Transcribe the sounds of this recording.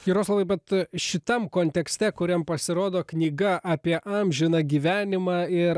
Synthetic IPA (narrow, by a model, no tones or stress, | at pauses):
kʲiːɾoːslˠɐbɐɪbʲɛt̪ʃʲɪt̪ɐmkoːnʲt̪ʲɛksʲt̪ʲɛkʊɾʲɛmpɐsʲɪɾoːd̪oːknʲiːɡɐʔɑːpʲiɛʔɐmʲʒʲɪnɐɡʲiːʋʲæːnʲɪmɑːɪɾ